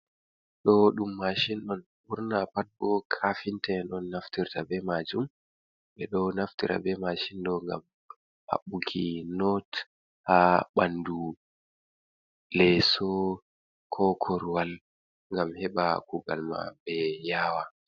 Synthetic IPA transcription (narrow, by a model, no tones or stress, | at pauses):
ɗɔɗumːaʃinɗɔn | buɾnapat̚bɔkʰafintɛnɔnːaftiɾtabɛmad͡ʒum | ɓɛɗɔnaftiɾʔa̰bɛmaʃinɗɔŋɡa̰m | ha̰ɓukʰinɔt | haɓandu | lɛsɔ | kʰɔkʰɔɾwal | ŋɡamhɛɓakuɡa̰lma̰bɛjaːwa